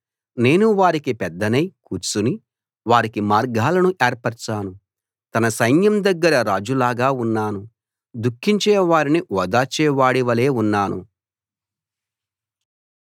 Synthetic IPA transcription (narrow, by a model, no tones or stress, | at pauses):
ne̞ːnuʋaːɾikipɛd̪ːɐnɐjkuːɾt͡ʃuni | ʋaːɾikimaːɾɡaːlɐnuʔeːɾpɐɾt͡ʃaːnu | t̪ɐnɐsɐjnjɐmd̪ɐɡːɐɾɐɾaːd͡ʒulaːɡaːunːaːnu | d̪ukʰːiɲt͡ʃɛːʋaːɾiniʔɔːd̪aːt͡ʃɛːʋaːɽiʋɐle̞ːunːaːnṵ